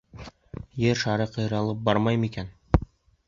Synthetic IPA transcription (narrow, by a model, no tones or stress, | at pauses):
jɘɾʃɑɾɤqɤ̆jɾɑlˠɤp̚bɑɾmɑjmikæn